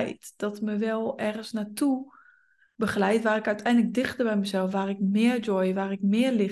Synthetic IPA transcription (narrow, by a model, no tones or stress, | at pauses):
jtd̥ɔtməʋɛlˠɛrɣənsnatʰu | bəχlɛjtʋaːɾɪkœɥtʰɛjndlək̚dɪxtərbɛjməzɛlˠfʋaːrɪkmɪərd͡ʒɔjəʋaːɾɪkmɪərlɪ